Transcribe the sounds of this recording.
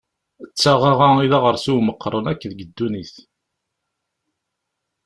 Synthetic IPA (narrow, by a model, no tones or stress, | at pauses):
ət͡sːaʁaʁaiðaʁəɾsuwməqʰːɾˤənækːðəɡəd̪ːuniθ